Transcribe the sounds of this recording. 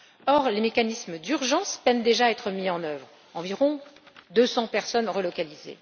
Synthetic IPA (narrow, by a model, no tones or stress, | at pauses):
ɔʁlemekanisməd̪yʁʒɑ̃spɛnd̪eʒaɛt̪χəmiɑ̃nœvʁ | ɑ̃viʁɔ̃ | d̪øsɑ̃pɛʁsɔnʁəlɔkalizḛ